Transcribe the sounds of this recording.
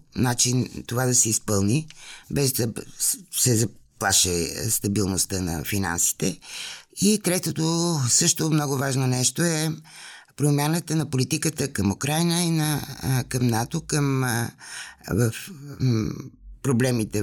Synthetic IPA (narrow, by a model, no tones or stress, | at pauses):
nat͡ʃint̪ovad̪ɐsɛispəlˠnibɛzd̪ɐsɛzɐplˠaʃɛst̪ɐbilˠnost̪ənɐ̰fina̰nsi̥t̪ɛ | it̪ɾɛt̪ot̪osɤʃt̪omnɔɡʊvaʒnonɛʃt̪oɛ | pɾomʲjanət̪ənɐpolit̪ikət̪əkɐmukɾajnəinəkɐmnat̪okəm | vəf | pɾoblɛmit̪ɛ